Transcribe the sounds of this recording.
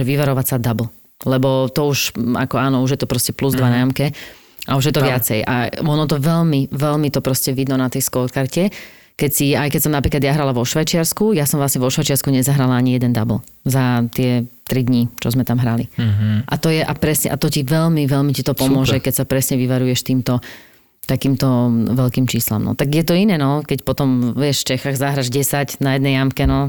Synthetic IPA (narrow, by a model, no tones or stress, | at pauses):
ʒɛʋiʋaɾɔʋacsad̪abl̩ | lɛbɔt̪ɔuʃa̰kɔaːnɔuʒjɛt̪ɔpɾɔscɛpluzd̪ʋanajamkɛ | ʔauʒjɛt̪ɔʋɪat͡sɛjʔa̰ɔnɔt̪ɔʋɛlmiʋɛlmit̪ɔpɾɔscɛʋid̪nɔnat̪ɛjskɔkaɾcɛ | kɛcsiajkɛcsɔmnapɾiklad̪jaɦɾalaʋɔʃʋajt͡ʃɪaɾskujasɔmʋlasɲɛʋɔʃʋajt͡ʃɪaɾskuɲɛzaɦɾalaaɲijɛd̪ɛnd̪abl̩zat̪ɪɛt̪ɾid̪ɲit͡ʃɔzmɛt̪amɦɾaliʔat̪ɔjɛʔapɾɛsɲɛ̰ʔat̪ɔciʋɛlmiʋɛlmicit̪ɔpɔmʊɔʒɛkɛcsapɾɛsɲɛʋiʋaɾujɛʃt̪iːmt̪ɔ | t̪akiːmt̪ɔʋɛʎkiːmt͡ʃiːsla̰mnɔ̰t̪aɡjɛt̪ɔinɛːnɔkɛcpɔt̪ɔmʋɛʃft͡ʃɛxaːɣzaɦɾaʒɟɛsacnajɛd̪nɛjamkɛnɔ